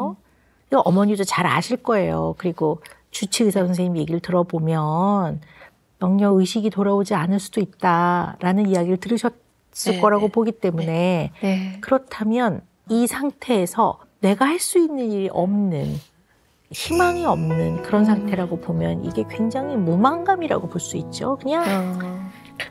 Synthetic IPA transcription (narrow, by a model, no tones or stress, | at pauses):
o | ʔʌmʌɲidot͡ɕaɾa̰ɕʰiɭk͈ʌe̞jo̰kɯɾiɡo | t͡ɕut͡ɕʰiɡisʰasʰʌŋsʰeŋɲimje̞ɡiɾɯɭtɯɾʌbomjʌn | jʌŋɲʌɯɕʰiɡitoɾabod͡ʑianɯɭs͈ud̥oit̚t͈aɾanɯnijaɡiɾɯɭtɯɾɯɕʰʌ | s͈ɯɭk͈ʌɾaɡopoɡit͈e̞mune̞ | kɯɾʌtʰamjʌn | isʰaŋtʰe̞ːsʰʌ̰ | ne̞ɡahaɭs͈uinːɯniɾiʔʌmnɯn | çimaŋiʌmnɯnkɯɾʌns̬ʰaŋtʰe̞ɾaɡopomjʌnḭɡe̞kwe̞ŋd͡ʑaŋɦimomaŋɡamiɾa̰ɡopoɭs͈uit̚t͡ɕ͈okɯɲaŋ